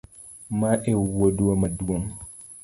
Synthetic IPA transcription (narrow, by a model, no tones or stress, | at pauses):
mãʔɛwoduamaduoŋ